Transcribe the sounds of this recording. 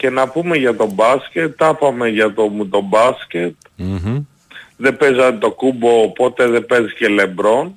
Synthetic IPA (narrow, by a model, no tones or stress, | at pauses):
ce̞nɐpume̞ʝɐt̪o̞bɐsce̞t̪ːɐpɐme̞ʝɐt̪omt̪o̞bɐsce̞t̪ | ðe̞pezɐt̪o̞kubo̞ːpo̞t̪e̞ðepe̞zice̞le̞bɾo̞n